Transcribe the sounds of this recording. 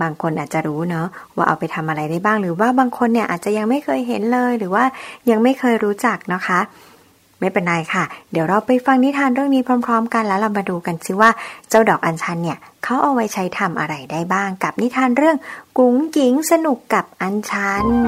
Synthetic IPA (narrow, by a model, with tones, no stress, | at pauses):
baː˧ŋkʰo˧nʔaː˨˩t̪̚t͡ɕa˨˩ɾuː˦˥nɔ˦˥waː˥˩ʔa̰˧wpa˧jt̪ʰa˧mʔa˧ɾa˧jdaː˥˩jbaː˥˩ŋɾɯː˩˦waː˥˩baː˧ŋkʰo˧nːi˥ɐʔaː˨˩t̪̚t͡ɕa˨˩ja˧ŋma˥˩jkʰɤː˧jɦe˩˦nlɤː˧jɾɯː˩˦waː˥˩ja˧ŋma˥˩jkʰɤː˧jɾuː˦˥t͡ɕa˨˩k̚nɔ˦˥kʰa˦˥ | ma˥˩jpe˧nɾa˧jkʰa˥˩diː˨˩˦wɾa˧wpa˧jfa˧ŋni˦˥t̪ʰaː˧nɾɯ˥˩əŋniː˦˥pʰɾɔː˧˥mpʰɾɔː˦˥mka˧nlɛ˦˥wɾa˧wmaː˧duː˧ka˧nsʰiː˧˥˩waː˥˩t͡ɕa˥˩wdɔː˨˩k̚ʔa˧nt͡ɕʰa˦˥nːi˥˩ɐkʰa˦˥wʔa˧˩wa˦˥jt͡ɕʰa˦˥jt̪ʰa˧mʔa̰˧ɾa˧jdaː˥˩jbaː˥˩ŋka˨˩p̚ni˦˥t̪ʰaː˧nɾɯ˥˩əŋku˨˦ŋki˨˦ŋsa˧nu˨˩kːa˨˩p̚ʔa˧nt͡ɕʰa˦˥n